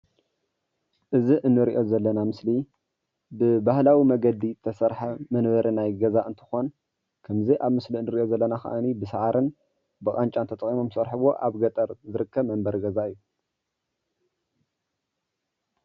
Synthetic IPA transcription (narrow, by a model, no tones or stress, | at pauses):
ʔɨziʔɨnːɨɾiʔo̞zɐlːɐnamɨsli | bɨbahlawimɐɡɐd̪it̪ʰɐsɐɾħamɐnβɐɾʔinajɡɐzaɨnt̪ʰɨ̥xo̞n | kʰɐmziʔaβmɨsliɨnːɨɾiʔo̞zɐlːɐnakʰɐ̰ʔanibɨsɨʕaɾʔɨn | bɨχʼant͡ʃʼant̪ʰɐt̪ʼɐχʼimomsɐɾħɨβo̞ʔaβɡɐt̪ʼɐɾzɨɾɨkʰːɐβmɐmbɐɾɡɐzaɨjːu